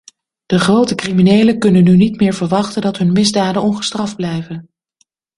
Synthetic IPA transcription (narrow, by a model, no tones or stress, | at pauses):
d̥əχrowtəkriminejləkɵnənːynitmɪːɹvəɹʋɑχtəndɑtɦɵnmɪzdaːdənɔnχə̥strɑvd̚blɛjvən